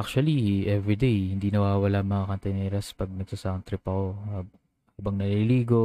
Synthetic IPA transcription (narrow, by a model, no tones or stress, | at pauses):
ʔak̚t͡ʃʊɐliʔɛvɾid̪ejhɪnd̪iːnɐwaːwɐlaʔɐŋmɐŋakɐnt̪ɛnɛːɾɐspɐɡ̚nɐɡ̚t̪ʊsɐʔɐŋt̪ɾɪpɐko̞ | huːbɐŋnɐliliːɡo̞